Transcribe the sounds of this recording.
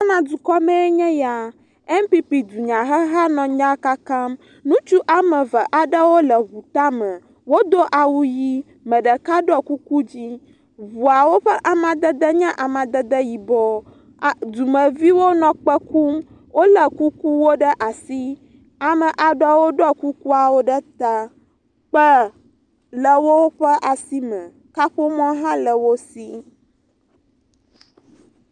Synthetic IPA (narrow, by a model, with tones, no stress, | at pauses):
a˦nã˨d̪u˨kɔ˦mɛ̃˦e˦ɲɛ̃˦ja˨ | ɛ˦m˦pi˦pi˨d̪u˨ɲã˨ɦə˦ɦa˦nɔ̃˨ɲã˦ka˦ka˦m | nũ˦t͡ʃu˦ʔa˨mə̃˨və˨ʔa˨ɖə˦wo˦lə˨ɦu˨t̪a˦mə̃˨ | wo˦d̪o˦ʔa˨wu˦ji˦ | mə̃˨ɖə˨ka˦ɖɔ˦ku˦ku˦d͡ʑi˦ | vu˨a˨wo˦ɸə˦ʔa˨mã˨d̪ə˦d̪ə˦ɲɛ̃˦ʔa˨mã˨d̪ə˦d̪ə˦ji˨bɔ˦˨ | d̪u˨mə̃˨vi˦wo˦nɔ̃˨k͡pə˦ku˦m | wʔo˦lə˨ku˦ku˦wo˦ɖə˦ʔa˨si˦ | a˨mə˨ʔa˨ɖɔ˦wo˦ɖɔ˦ku˦ku˦a˨wo˦ɖə˦t̪a˦ | k͡pə˦ | lə˨wo˦ɸə˦ʔa˨si˦mə̃˨ | ka˦ɸo˦mɔ̃˦ɦã˦lə˨wo˦si˦